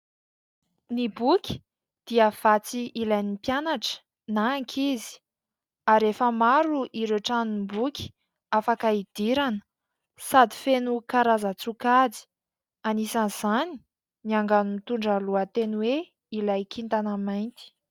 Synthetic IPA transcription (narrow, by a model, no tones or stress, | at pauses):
nibukʲi̥ | d̪̥iəv̥at͡siilajnipjanaʈ͡ʂə̥ | naːŋkʰizi̥ | aɾefəmaɾuʔiɾeʈ͡ʂanimbukʲi̥ | afakaid̪̥iɾanə̥ | sad̪ifenukaɾazat͡sukad͡zi̥ | anisanz̥ani̥ | niaŋɡanumit̪uɳɖ͡ʐaluat̪enwe | ilajkint̪anəmajnt̪i̥